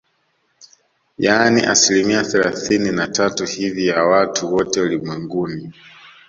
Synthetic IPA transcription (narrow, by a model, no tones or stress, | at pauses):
janiʔa̰silimiaθɛlaθininatatuhivijawatʰuwɔtɛulimwɛŋɡuni